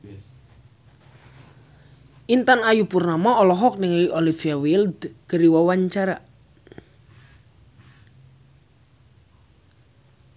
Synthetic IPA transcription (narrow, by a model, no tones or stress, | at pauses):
ʔint̪anajupurnamaɔlɔɦɔk̚nɪŋliʔolifiawild̪kəɾiwɔwaɲt͡ʃaɾa